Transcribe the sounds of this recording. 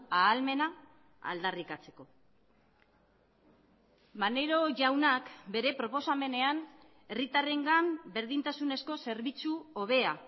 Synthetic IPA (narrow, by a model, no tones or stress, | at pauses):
aːlme̞na | a̰ld̪arikat͡se̞̥ko̞ | mane̞ɾo̞ʝawnakbe̞ɾe̞pɾo̞po̞same̞ne̞an | e̞rit̪are̞ŋɡambe̞ɾðint̪asune̞sko̞se̞ɾβit͡suo̞β̞e̞a